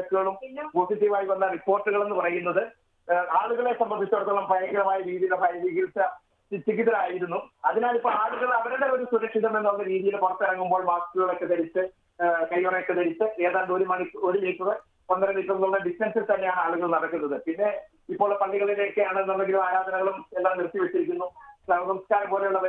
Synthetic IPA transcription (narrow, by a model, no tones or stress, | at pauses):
ɐsɐɭumpoːsiʈːiʋaːjiʋɐnːaːnripːoːrʈːuɣɐɭe̞nːɨpɐrɐjunːɐðɨ | aːɭuɣɐɭe̞sɐmbɐnd̪it͡ɕːɐɽut̪ːɐɭːɐmprɐjɐŋɡɐɾɐmaːjɐɾiːðiɣɐmɐːjɐʋiɡilt͡ɕːɐ | it͡ɕiɣiðɐɾaːjiɾunːuɐðinaːlipːo̞ːɭaːɭuɣɐɭɐʋɐɾuɽe̞o̞ɾusuɾɐkʂiʈɐme̞nːuɭɐɨɾiːðijilkurɐt̪ːiɾɐŋːumbo̞ːɭmaːkʈːuɣɐɭo̞kːe̞t̪ɐɾit͡ɕːɨ | kɐjːoːɳejokːet̪ɐɾit͡ɕːɨeːðaːnd̪o̞ɾumɐnikːo̞ɾumeːkːɐðe | pɐnd̪ɐɾɐmipːɐnuɭːɐɖisʈɐnsilt̪ɐnːe̞jaːɳɨaːɭuɣɐɭnɐɽɐkːunːɐðɨpinːe̞ | ipːo̞ːɭːɐpɐɭːiɣɐɭilejokːejaːɳenːɐnːeŋɡilumaːɾaːd̪ʱɐnɐŋɐɭumelːaːmʋeɾut̪ːiʋet͡ɕːiɾik̬ʲːunːusɐmsɐmskaːɾɐmboːle̞juɭːɐʋɐ